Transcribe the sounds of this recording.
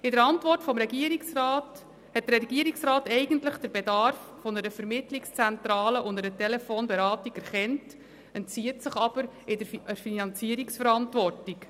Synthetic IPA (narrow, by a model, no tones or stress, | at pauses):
ɪdəɾɑntʋɔrtfɔmɾɛɡiəɾiksraːt | hɛt̚d̥əɾɛɡ̥iːəɾiksraːtɛɪɡən̩tləχd̥əɾbɛdɑɾfːɔnəɾəfəɾmɪtlikst͡sɛnt̪ɾɑːləʔʊndəɾətɛlɛfoːnbɛɾɑːtiɡɛɾχɛnt | ɛntt͡siətsɪχɑb̥əɾɪdəəɾfinɑnt͡siəɾiksfəɾɑntʋɔrtik